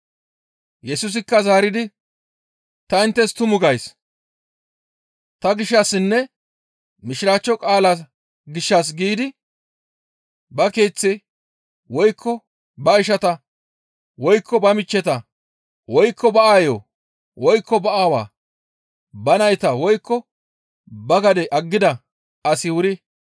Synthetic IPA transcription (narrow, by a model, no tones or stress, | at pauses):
jɛsʊs̬ɪkːɐzaːɾɪd̪ɪ | t̪ɐɪnt̪ːɛst̪ʊmʊɡɐjs | t̪ɐɡɪʃːɐsːɪnːɛ | mɪʃɪɾaːt͡ʃːɔkʼaːlas | ɡɪʃːɐs̬ɡiːd̪ɪ | bɐke̞ːt͡sːɪ | wɔjkʰːɔ | bɐɪʃ̬ɐt̪ɐ | wɔjkʰːɔbɐmɪt͡ʃːɛt̪ɐ | wɔjkːɔbɐʔaːjoː | wɔjkːɔbɐʔaːwa̰ː | bɐnɐjt̪ɐwɔjkːɔ | bɐɡɐd̪ɛʔɐɡːɪd̪ɐ | ɐsɪwʊɾɪ